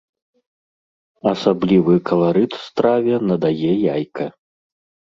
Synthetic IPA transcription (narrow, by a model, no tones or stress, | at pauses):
ɐsablʲivɨkɐlˠaɾɨt̪u̥st̪ɾavʲɛnɐd̪ajɛjajkɐ